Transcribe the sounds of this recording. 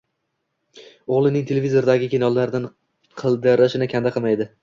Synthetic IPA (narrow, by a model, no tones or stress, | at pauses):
oʁlˠɪnɪŋt̪ʰe̞lʲevʲizo̞ɾd̪aɡʲɪkʲʰenɒlˠːaɾd̪an | qʰɨlˠd̪ɪɾɪʃɪnɪkʲʰand̪aqʰɨmajd̪ɪ